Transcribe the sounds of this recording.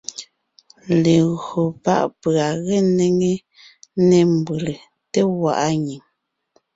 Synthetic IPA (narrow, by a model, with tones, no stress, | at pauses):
le˨ɣo˨pa̰˦˨ʔpɰa˨ɣe˦˨ne˦ŋe˦ | ne˦˨m˨bɯ˨le˨ | te˦wa̰˨ʔa˦ɲi˨ŋ